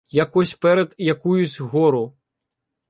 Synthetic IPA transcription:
jakɔsʲpɛɾɛt̪jakujusʲɣɔɾu

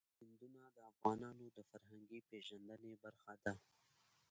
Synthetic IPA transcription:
hɪnd̪unad̪əɐfɣɑːnɑːnod̪əfɐɾɦəŋɡipeːʒɐnd̪ənebɐɾxad̪a

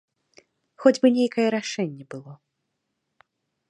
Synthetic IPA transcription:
xɔd͡zʲbɨnʲejkɐjɛɾaʂɛnʲːɛbɨlˠɔ

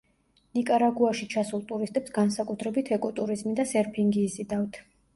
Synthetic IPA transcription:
nikʼaɾaɡuaʃit͡ʃʰasulˠt̪ʼuɾist̪ʼɛpsɡansakʼut̪ʰɾɛbit̪ʰɛkʼɔt̪ʼuɾizmid̪asɛɾpʰiŋɡiːzid̪avt̪ʰ

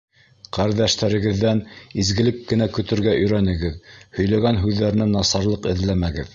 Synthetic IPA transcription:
qæɾðæʃt̪æɾɘ̆ɡɘ̆ðːænizɡɘ̆lɘkːɘ̆nækɵ̆t̪ɘ̆ɾɡæʔɵ̆jɾænɘ̆ɡɘðhɵ̆jlæɡænɦʉðːæɾɘ̆nænɑsɑɾlˠɤqɘ̆ðlæmæɡɘð

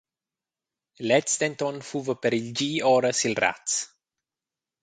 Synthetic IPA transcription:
lɛtst̪ɛnt̪ɔnfuvəpeɾild͡ʒiːɔɾəsilra̰t̪s

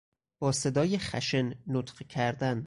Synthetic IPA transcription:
b̥ɒːse̞d̪ɒːjexæ̰ʃenːot̪ɢcʰæɾd̪æn

